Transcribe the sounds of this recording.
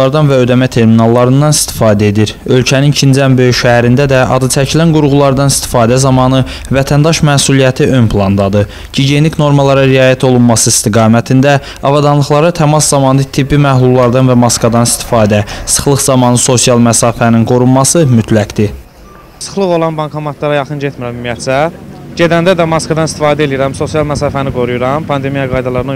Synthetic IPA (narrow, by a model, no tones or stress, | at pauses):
ɑɾd̪ɑnvæø̞d̪æmæt̪ʰe̞ɾminɑlˠːɑɾɯnd̪ɑnist̪ʰi̥fɑːd̪æe̞d̪iɾø̞lcʰænincʰind͡ʒæmbø̞jyʃæhæɾind̪æd̪æʔɑd̪ɯt͡ʃʰæcʰilænɡuɾʁulˠɑɾd̪ɑnist̪i̥fɑːd̪æzɑmɑːnɯvæt̪ʰænd̪ɑʃmæːsulˠijæt̪ʰiʔø̞npʰlˠɑnd̪ɑd̪ɯ | ɟiɟe̞nicno̞ɾmɑlˠɑɾɑɾiɑːjæt̪ʰo̞lˠunmɑsɯist̪iɡɑːmæt̪ʰind̪æ | ɑvɑd̪ɑnlˠɯχlˠɑɾɯt̪ʰæmɑszɑmɑːnɯt̪ʰibːimæhlˠulˠːɑɾd̪ɑnvæmɑskvɑd̪ɑnist̪i̥fɑːd̪æsɯ̥χlˠɯχzɑmɑnɯso̞sijɑlˠmæsɑːfæninɡo̞ɾummɑsɯmyt̪ʰlækd̪̥i | sɯ̥χlˠɯɣo̞lˠɑnbɑnŋkʰɑmɑt̪lˠɑɾɑjɑχɯnd͡ʒet̪miɾæmmijæt̪sæɟed̪ænd̪æd̪æmɑskvɑd̪ɑnist̪i̥fɑːd̪æelijiɾæmso̞sijɑlˠmæsɑːfæniɡo̞ɾujuɾɑmpʰɑnd̪e̞mijɑɡɑjd̪ɑlˠɑɾɯn